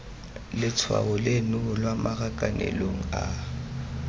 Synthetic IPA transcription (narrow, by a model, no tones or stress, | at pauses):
lɪt͡sʰwa̰bɔlenʊlwamʔaɣakʼanʔɛ̰loŋ̩a